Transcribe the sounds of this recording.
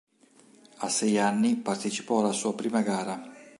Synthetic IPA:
asɛjanːipart̪et͡ʃi̥pɔalːasuːapɾiːmaɡaːɾa

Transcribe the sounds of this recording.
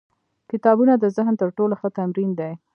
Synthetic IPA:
kɪt̪ɑbunad̪əzɪɦnt̪əɾʈoloxət̪amɾind̪ej

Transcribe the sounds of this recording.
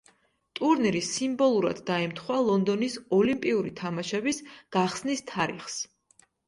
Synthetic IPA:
t̪ʼuɾniɾisimbɔlˠuɾa̰d̪ːaɛmt̪ʰχwalˠɔnd̪ɔnisɔlimpʼiuɾit̪ʰamaʃɛbisɡ̥aχsnist̪ʰaɾḭχs

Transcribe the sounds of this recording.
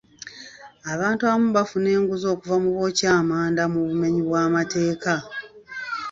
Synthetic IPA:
aβaːntuaβamuβafune̞ːŋɡuzo̞ːkuvamuβo̞ːcaːmaːndamuβume̞ɲiβwaːmate̞ːka

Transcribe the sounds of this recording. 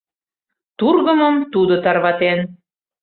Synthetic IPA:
t̪urɣə̆mə̆mt̪ud̪ot̪ɑrβɑt̪en

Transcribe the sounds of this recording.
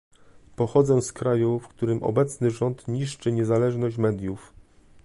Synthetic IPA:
pɔxɔd̪zɛskɾajufkt̪uɾɘmɔ̰bɛt̪snɘʐɔnt̪ɲiʂt͡ʂɘɲɛzalɛʐnɔɕt͡ɕmɛd̪ʲjuf

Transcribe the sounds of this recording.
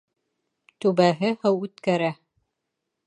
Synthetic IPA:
t̪ʉβæɦɘhɤwʉt̪kæɾæ

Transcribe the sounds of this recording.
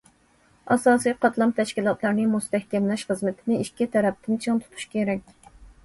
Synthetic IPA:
ɑsɑːsijqʰɑt̪lˠɑmt̪ʰɛʃkʲilˠɑt̪ʰlˠɑɾnɨmust̪ɛhkʲɛmlɛʃχəzmɪt̪ʰɪnɪiʃkʲit̪ʰɛɾɛp̚t̪ʰɪnt͡ʃʰɨŋt̪ʰu̥t̪ʰu̥ʃkʲʰeɾɛkʲ

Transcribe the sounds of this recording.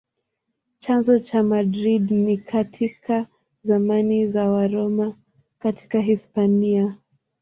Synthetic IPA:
t͡ʃanzɔt͡ʃamadɾidnikʰatʰikʰa | zamanizawaɾɔma | kati̥kaɦispania

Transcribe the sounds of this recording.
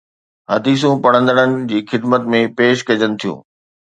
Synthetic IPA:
ɦɐd̪iːs̬ũpɐɽ̃ə̃nd̪əɽ̃ənɪ̆d͡ʑiːxɪd̪mət̪mẽpeːʃkɐd͡ʑənɪ̆t̪ʰijṵ̃ː

